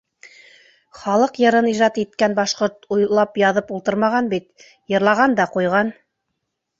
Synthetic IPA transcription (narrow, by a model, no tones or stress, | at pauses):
χɑlˠɤqjɤ̆ɾɤniʒɑt̪it̪kænbɑʃqoɾt̪ujlˠɑpjɑðɤpulˠt̪ɤɾmɑʁɑnbit̪ | jɤ̆ɾlˠɑʁɑnd̪ɑqujʁɑn